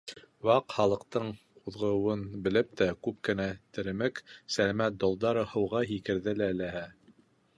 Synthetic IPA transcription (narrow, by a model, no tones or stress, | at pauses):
wɑqχɑlˠɤ̆qt̪ɤɴ | uðʁɤ̆wɤnbɘ̆lɘp̚t̪ækʉp̚kɘ̆næt̪ɘ̆ɾɘ̆mɘksælæmæt̪̚d̪olˠd̪ɑɾɤhɤ̆wʁɑɦikɘ̆ɾðɘlæɘ̆læɦæ